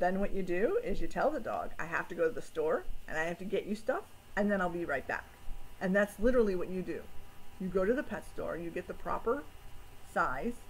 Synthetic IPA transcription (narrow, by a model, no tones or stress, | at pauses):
ðɨ̃nwʌt͡ʃɨdʉɪzjɨtʰɛlˠðədɔ̰ɡa̰ɪɦæ̰ftɨɡoʊɾɨðɨstɔɹʔɨ̰̃naɪhæftɨɡɛt͡ʃɨstʌf | ɨ̃nðɨ̃ɾ̃aɪlˠbiɹaɪt̚b̥æ̰kʔɨ̃nðætslɪɾə˞l̩ˠiwʌt͡ʃɨdɨjɨɡoʊɾɨðɨpʰɛtstɔ̰ɹjɨɡɛt̪̚ðəpʰɹ̥ɑ̰pə˞saɪz̥